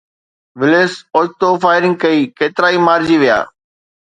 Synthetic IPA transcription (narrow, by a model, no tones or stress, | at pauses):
ʋɪleːsɔːd͡ʒt̪ofaːɪɾɪ̃ŋɡ̚kɐiːkeːt̪ɪɾaːimaːɾd͡ʑiʋija̰ː